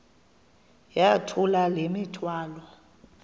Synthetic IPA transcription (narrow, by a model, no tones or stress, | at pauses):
jatʰulalemitʰwaːlɔ